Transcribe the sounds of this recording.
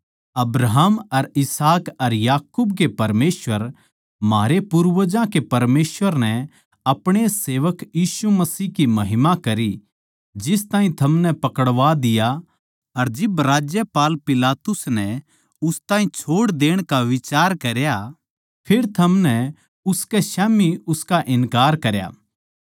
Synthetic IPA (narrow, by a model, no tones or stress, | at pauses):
ɐbɾaɦmɐɾɪsaːkɐɾjaːkubkepɐɾmeːsʋəɾ | maːɾepʊɾʋəd͡ʒãkepɐɾmeːsʋəɾnɛ | ɐpɽ̃eseːʋəkjiːsumɐsiːkimɐɦɪmãkɐɾi | d͡ʒɪst̪ãːĩt̪ʰɐmnɛpɐkəɽʋad̪ɪja | ɐɾd͡ʒɪbɾaːd͡ʒjəpaːlpɪlaːt̪ʊsnɛ | ʊst̪ãːĩt͡ʃʰoːɽd̪eːɽ̃kaʋɪt͡ʃaːɾkɐɾja | pʰɪɾt̪ʰɐmnɛ | ʊskɛʃɛːmiʊskaʔɪnkaːɾkɐɾja̰ː